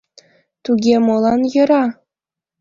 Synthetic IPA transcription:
t̪uɡʲemolˠɑnjɤ̆ɾɑ

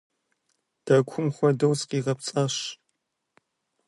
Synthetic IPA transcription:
d̥ɐkʷʰʊmxʷɔdɐwsqiːʁɐpt͡sʼɐɕ

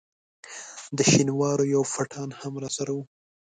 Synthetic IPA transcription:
d̪əʃinwɑɾojawfaʈʰɑnhamɾɑsaɾawu

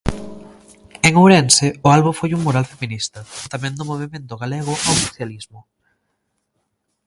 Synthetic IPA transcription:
eŋowɾenseʊalβuŋfojuŋmoɾalfeminist̪ɐt̪amɛ̃nd̪ʊmoβ̞emẽnt̪ʊɣaleɣ̞ʊʔawso̥θjalizmʊ

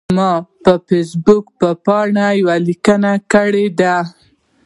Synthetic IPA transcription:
mɑpəfesbukpəpɑɳajawalikənakəɽed̪a

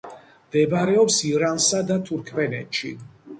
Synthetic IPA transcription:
md̪ɛbaɾɛɔpsiɾansad̪at̪ʰuɾkʰvɛnɛt̪ʃḭ

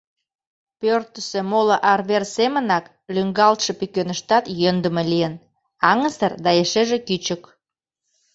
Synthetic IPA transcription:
pørt̪əsĕmoləʔɑrβersemənɑk | lyŋɡɑlt̪ʃə̆pykønəʃt̪ɑt̪jønd̪əmelijən | ɑŋə̆sərd̪ɑjeʃeʒekyt͡ɕək

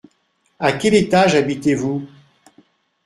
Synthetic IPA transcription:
akʲɛlet̪aʒabit̪evu

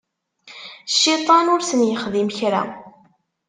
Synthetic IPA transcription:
ʃːit̪ˤɑnʊɾsənjəχðimçɾæ̰

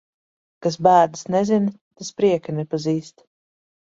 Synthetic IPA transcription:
kasbæːɾd̪snɛzin | t̪aspɾiɛkanɛpaziːst̪

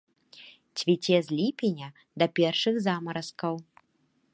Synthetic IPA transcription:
t͡sʲvʲit͡sʲɛzʲlʲipʲinʲɐ | d̪ɐpʲɛrʂɨɣzamɐɾɐskɐw

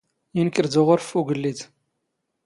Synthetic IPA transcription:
jinkːəɾd̪ʊʁʊɾfuɡəlːid̪

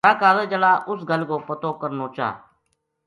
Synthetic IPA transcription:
aːkaːləːd͡ʒəlaːʔʊsɡəlkoːpət̪oːkəɾnoːt͡ʃa̰ː

